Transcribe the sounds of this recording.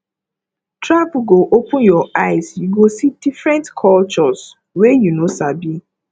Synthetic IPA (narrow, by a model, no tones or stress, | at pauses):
tɾapɡoʔopʊ̃njɔaɪsjuɡosidifɾɛ̃ntkʰɔlt͡ʃɔs | wejunosabi